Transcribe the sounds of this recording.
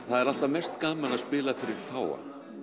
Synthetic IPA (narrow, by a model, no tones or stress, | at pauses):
θaðɛɾal̥t̪amɛst̪kaːmanaðspɪːlafɪɾɪɾ̥θaːwa̰